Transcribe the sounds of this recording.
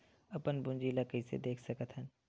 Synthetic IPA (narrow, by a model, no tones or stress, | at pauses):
ɐpənbʊ̃nd͡ʒiːlakəisḛd̪eːkʰsɐkət̪ɦɛ̃n